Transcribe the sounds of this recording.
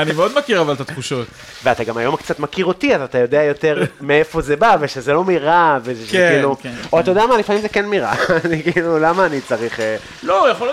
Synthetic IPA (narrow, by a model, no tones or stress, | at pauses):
animeo̞d̪makiʁavalt̪at̪χuʃo̞t̪ | veataɡamajo̞mkt͡sat̪makiʁotiatat̪ajo̞deajo̞te̞ʁmeefo̞zebaveʃezelo̞miʁaveʃeiluoat̪ajo̞deamalifamimzekenmiʁa̰ːnikiːlulamaːnit͡saʁiχe | lojaχol